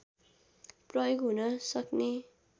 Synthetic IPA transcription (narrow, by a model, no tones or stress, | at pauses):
prʌjoɡɦunʌsʌkne